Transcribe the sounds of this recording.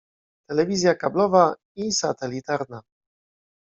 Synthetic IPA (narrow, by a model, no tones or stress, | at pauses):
t̪ɛlɛvʲizʲjakablɔva | isat̪ɛlʲit̪aɾna